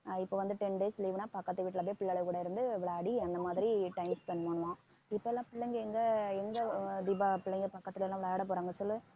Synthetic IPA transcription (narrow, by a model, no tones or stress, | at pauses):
ɪpːoːʋɐnd̪ɯʈɛnɖeːsliːʋɯnaːpɐkːɐt̪ːɯʋiːʈːɪlɐpːeːpɪɭːɐɭɐʋkuːɽɐɪɾɯnd̪ɯɛʋːɐɭoɐɽiɐnd̪ɐmaːðɪɾiʈɐɪmspɛnːmoːɳʋãː | ɪpːoːɛlːãːpɪɭːɐŋɡɐɛŋɡɐɛŋɡɐd̪ibaːpɪɭːɐŋɡɐpɐkːɐt̪ːɪlɐɛlãːɛʋɪɭoeːɽɐpːoːɾaːŋɡɐsɔlːɯ